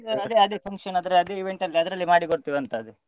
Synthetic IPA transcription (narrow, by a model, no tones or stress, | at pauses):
ɐd̪eɐd̪eːpʰɐŋkʂɐnɐd̪ɐɾeɐd̪eːiʋe̞ɳʈɐlːiɐd̪ɐɾɐlːimaːɽikoɽt̪iʋɐnt̪ɐːd̪e